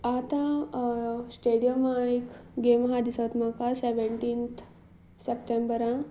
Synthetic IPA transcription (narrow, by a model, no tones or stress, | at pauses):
aːt̪ã | sʈeːɖijɐmaikɡeːmɐɦad̪isɐt̪makaseʋeɳʈiːnt̪ʰ | sepʈembɐɾã